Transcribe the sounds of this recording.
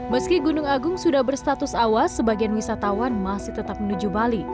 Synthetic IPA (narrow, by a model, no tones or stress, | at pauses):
məskiɡunʊŋaɡʊŋsudahbərst̪at̪ʊsawasəbaɡianwisat̪awanmasɪht̪ət̪ap̚mənud͡ʒubali